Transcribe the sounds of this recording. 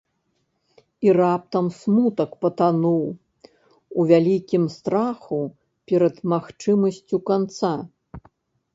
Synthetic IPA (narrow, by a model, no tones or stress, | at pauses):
irap̚t̪ɐmsmut̪ɐkpɐt̪anuw | uvʲalʲikʲimst̪ɾaxu | pʲɛɾɐd̪maxt͡ʂɨmɐsʲt͡sʲukant̪sa